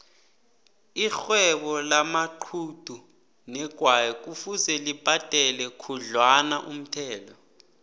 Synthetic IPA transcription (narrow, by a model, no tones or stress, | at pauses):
ixwɛɓɔlamaǃʰud̥ʱu | nɛɡ̥ʱwajɛk̬ʼufusɛlib̥ʱatʼɛlɛkʰuɮwanaʔum̩tʰɛːlɔ